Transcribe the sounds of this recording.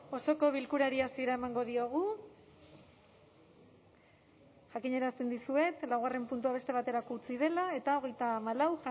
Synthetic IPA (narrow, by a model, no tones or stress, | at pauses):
o̞so̞ko̞β̞ilkuɾaɾiasieɾae̞maŋɡo̞ðio̞ɣ̞u | ʝakiɲe̞ɾast̪e̞nd̪isue̞t̪lawɣare̞mpunt̪̬uaβ̞e̞st̪e̞β̞at̪e̞ɾako̞ut͡sið̞e̞lae̞t̪ao̞ɣ̞e̞jt̪aːmalawʝa